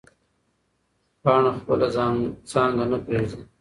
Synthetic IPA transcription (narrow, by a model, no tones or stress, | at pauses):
pɑːɳaxpəlazsɑːŋɡanapeːzi